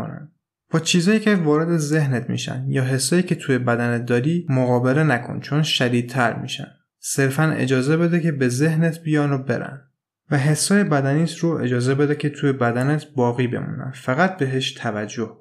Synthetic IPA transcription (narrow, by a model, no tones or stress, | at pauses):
næ̰n | b̥ɒːt͡ʃʰiːzɒːjiːcʰʲe̞vɒːɾe̞d̪e̞ze̞hnet̪ʰmḭːʃæ̰njɒːɦe̞sːɒːjiːcʰe̞t̪ʰujebæd̪ænet̪̚d̪ɒːɾiːmoɣɒːbe̞le̞nækʰo̰nt͡ʃʰonʃæd̪iːd̪̚t̪ʰæɾmḭːʃæ̰n | se̞ɾfænḛd͡ʒɒːze̞be̞d̪ecʰe̞be̞zehnet̪ʰbijɒːnobe̞̰ɾæ̰n | væɦe̞sːɒːjebæd̪æniːsɾoʔe̞d͡ʒɒːze̞bed̪ecʲʰet̪ʰuːjebæd̪ænet̪ʰbɒːɣiːbe̞̰mṵːnæ̰nfæɣæt̪̚be̞ɦeʃt̪ʰævæd͡ʒːoh